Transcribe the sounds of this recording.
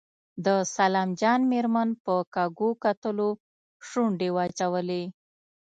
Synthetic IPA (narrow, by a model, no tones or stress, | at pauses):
d̪əsalɑmd͡ʒɑnmeɾmanpəkɑɡokat̪əlo | ʃuɳɖewɑt͡ʃawəle